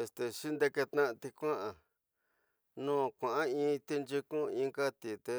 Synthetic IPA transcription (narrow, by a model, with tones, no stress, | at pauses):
e˧st̪e˨ʃi˦nd̪e˧ke˧t̪nã˦ʔt̪i˧kʷã˦ʔã˨ | nũː˦˨kʷã˨ʔã˦ĩː˧˦t̪i˧nd͡ʒi˧kũ˦ĩː˧ŋka˦t̪i˨t̪e˧